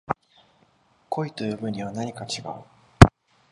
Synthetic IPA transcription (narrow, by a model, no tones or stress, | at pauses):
kʰo̞it̪o̞jɯ̟ːbɯ̟̃ɲ̟ːiβ̞anaɲ̟ikat͡ɕiɡa̰ɯ̟